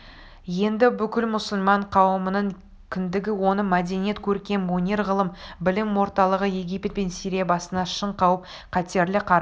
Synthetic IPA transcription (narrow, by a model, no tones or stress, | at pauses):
je̞nd̪ɪbʏkʲɪlmʊsʊlˠmɑɴqʰɑwəmənəɴ | kʲʰɪnd̪ɪɡʲɪwo̞nəmæd̪e̞nije̞t̪kʲʰɵɾkʲe̞nwonʲe̞ɾʁəlˠəmbɪlɪmwo̞ɾt̪ɑlˠəʁəje̞ɡʲijpʲt̪̚pensijɾijebɑsənɑʃəɴqʰɑwəp̚ | qʰɑt̪e̞ɾlɪqʰɑɾ